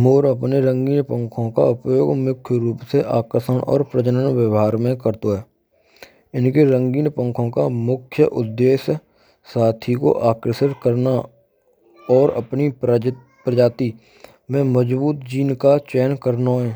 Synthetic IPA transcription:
moːɾəpneɾə̃ŋɡiːnpə̃ŋkʰõka̰əpjoːɡmʊkʰjɾuːpseʔaːkɾəsənʔɔ̰ːɾpɾət͡ʃənənʋjəʋɦaːɾmẽkəɾt̪oɦɛː | ɪnkeɾə̃ŋɡiːnpə̃ŋkʰõkamʊkʰjəʔʊd̪ːeːʃ | saːt̪ʰiko̰ʔaːkɾəsɪɾkəɾna | ɔːɾə̰pni | pɾəd͡ʒaːt̪i | mẽməd͡ʒbuːt̪̚d͡ʒiːnkat͡ʃɛːnkəɾnoɦɛ̃ː

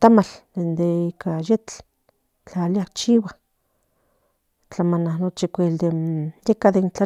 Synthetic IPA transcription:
t̪amald̪end̪eikʰajet͡ɬ | t͡ɬaliakt͡ʃiwa | t͡ɬamananot͡ʃikʷeld̪ejekaðent͡ɬa

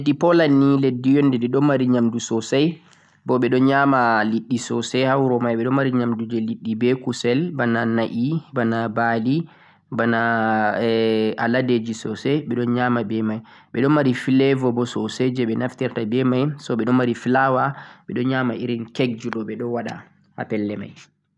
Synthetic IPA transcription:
dːipɔlanːiledːijɔndɛdɛɗɔnmaɾiɲamdusɔsaj | bɔɓɛɗɔnɲamaliɗːisɔsɛhawɾɔmajɓɛɗɔnmaɾiɲamdud͡ʒɛliɗːibɛkusɛlbananaʔibanabali | bana | aladed͡ʒisɔsɛɓɛɗɔnɲamabɛmaj | ɓɛɗɔnmaɾifilɛvɔbɔsɔsed͡ʒɛɓɛnaftɛɾtabɛmajsɔɓɛɗɔnmaɾiflawaɓɛɗɔnɲamaiɾinkɛɡ̚d͡ʒuɗɔɓɛɗɔwaɗa̰ | ha̰pɛlːɛma̰j

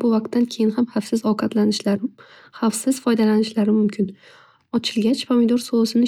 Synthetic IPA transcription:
bʊvaq̚t̪ʰːankʲʰe̞jɪnhamhafsɪzɒqʰɑt̪lanɪʃ | hafsɪz̥fɒjd̪alanɪʃlaɾɪmʊmkʲʰɪn | ɒt͡ʃʰɪlɡʲat͡ʃpʰomɪd̪ɒɾsoʊsɪnɪ

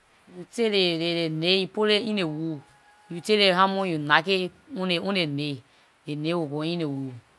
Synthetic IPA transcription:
juteɾeɾeɾeneipoɾeinewu | juteɾehamojunake | ueunene | ɾenewokoinewu

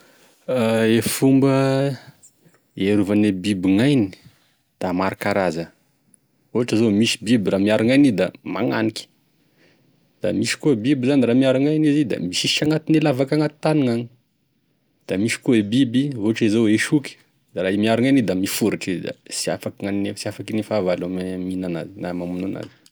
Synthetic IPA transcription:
aefumbə | eɾuvanebibiŋajni̥ | d̪̥amaɾakaɾazə | uɦaʈ͡ʂazomisi̥bibiramiaɾaŋajnid̪a̰ma̰ŋa̰niki̥ | d̪̥a̰misi̥kuebibizaniɾaːmiaɾaŋajnizid̪a̰miʃiʃaŋat̪inelavakaŋat̪i̥t̪aniŋaɲi | d̪̥amisi̥kuebibioɦaʈ͡ʂizoeʃukʲi̥ | d̪aɾaimiaɾuŋajnid̪amifuɾaʈ͡ʂizd̪a̰sia̰fakiŋaninesiafakinifavalamminana̰zinamamunana̰zi̥

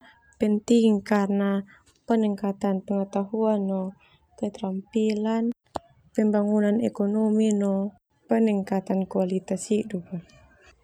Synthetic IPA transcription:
pɛnt̪iŋkarna | pənɛŋkat̪anpəŋət̪aɦuanːɔ | kət̪ɾampilan | pɛmbaŋunanɛkɔnɔminɔ | pəniŋkat̪ankualit̪asiduka

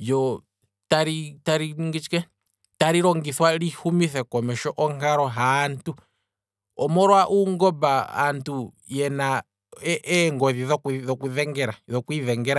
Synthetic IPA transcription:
jɔ | taɾitaɾiŋɡit͡ʃi̥kɛ | taɾiɾɔŋɡiswalihumiθɛkɔmɛʃɔʔɔŋaɾɔɦaːntu | ɔmɔɾwaʔuŋɡɔbaa̰ntu | jɛna | ɛʔɛŋɡɔðiðɔkðɔkuðɛŋɡɛɾaðɔkwiðɛŋɡɛɾa

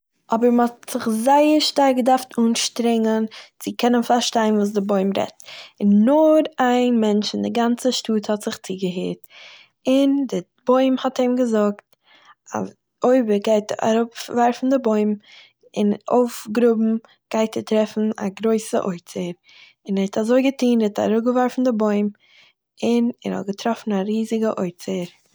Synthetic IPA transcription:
ʔɔbəɾməɔtz̥ɪχzaɪəɾʃtaɪɡədaɾftuːnʃtɾɪŋənt͡sɪkʰɛnənfaɾʃtaɪnvuːs̬dɪboɪmɾɛ̰tɪnːʊɾaɪnmɛnt͡ʃɪn̩dɪɡant͡səʃtuːthɔtz̥ɪχt͡siɡəɦeːt | ɪndɪ | b̥oɪmhɔteɪmɡəzʊkt | a̰ | oɪbəɾɡaɪta̰ɾʊpvaɾfn̩dɪboɪm | ɪnʔoʊfɡɾʊbm̩ | ɡ̥aɪtətɾɛfn̩a̰ɡɾoɪsə̰ʔoɪt͡səɾ | ɪnɛɛtʰazoɪɡətiːnɛtʰa̰ɾʊɡəvaɾfn̩dɪboɪm | ɪnɛ̰ɾhɔ̰t̚ɡətʰɾɔfn̩aɾiːzɪɡəʔoɪt͡səɾ

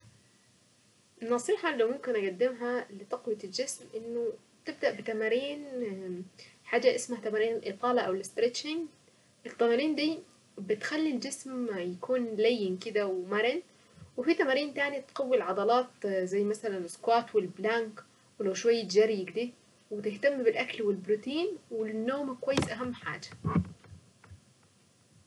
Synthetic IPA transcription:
nɑsˤiːħɑlːawmʊmkɪnʔæɡad̪ːɪmɦælɪt̪ˤɑqwjld͡ʒɪsmʔɪnːʊ | t̪ɪb̚d̪aʔbɪt̪æmaɾiːn | ħaːd͡ʒːaʔɪsmahat̪æmaɾiːnʔɪt̪ːˤɑːlɑʔawɪlɪst̪ɾet͡ʃɪŋ | ʔɪt̪ːæmaɾiːnd̪iː | bɪt̪xælːild͡ʒɪsmjakʰuːnlajːɪnkɪd̪awmɑɾˤɪn | wɪfit̪amaɾiːnt̪aːnit̪qɑwːilʕɑd̪ˤɑlɑːt̪zajːmasalanʔɪskwaːt̪wɪlblaŋk | wɪlawʃwajːɪd͡ʒaɾˤjɪɡd̪i | wɪt̪ɪht̪amːbɪlʔaklwɪlbɾut̪iːnwɪnːoːmakwajːɪsʔaɦamːħa̰ːd͡ʒḁ

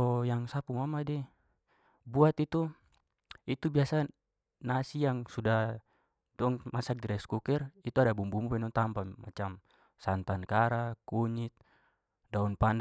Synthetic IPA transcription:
ɔjaŋsapumamadɛ | buat̪it̪u | it̪ubiasa | nasijaŋsudah | dɔŋmasak̚diɾɛskukɛrit̪uadabumbumupɛnɔŋt̪ampama̰t͡ʃam | sant̪ankaɾakuɲit̪̚ | daunpand

